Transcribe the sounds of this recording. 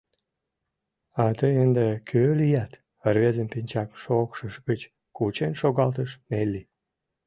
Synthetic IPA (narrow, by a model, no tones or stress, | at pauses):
ɑt̪əjənd̪ekʰølijæt̪ | ərβezəmpinʲt͡ɕɑkʃokʃəʃɣət͡ɕ | kut͡ɕenʃoɣɑlt̪əʃnelːi